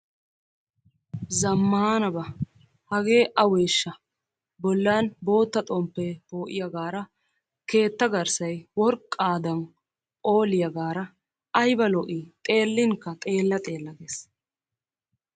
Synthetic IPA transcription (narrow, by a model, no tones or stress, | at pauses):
zɐmːaaːnɐbɐ | hɐɡe̞ːʔɐweːʃːɐ | bɔlːaːnbo̞ːt̪ːɐt̪ʼɔmpːepo̞ːʔɪjɐɡaːɾɐ | ke̞ːt̪ːɐɡɐɾsɐjwɔɾkʼːaːd̪ɐn | o̞ːlɪjɐɡaːɾɐ | ɐjbɐlɔʔit̪ʼe̞ːlːɪŋkːɐt̪ʼe̞ːlːɐt̪ʼe̞ːlːɐɡeːs